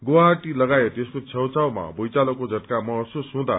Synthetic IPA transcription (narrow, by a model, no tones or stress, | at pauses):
ɡowaɦaʈilʌɡaet̪eskot͡sʰʌwt͡sawma̰bojt͡salokod͡zʱʌʈkamʌɦʌsusɦũd̪a̰